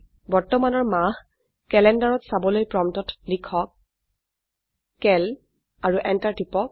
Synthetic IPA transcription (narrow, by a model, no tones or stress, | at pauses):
bɔɹtɔmanɔɹmah | kɛlɛndaɹɔtsabɔlojpɹɔmtɔtlikʰɔk̚ | ɛl | aɹuʔɛntaɹtipɔk̚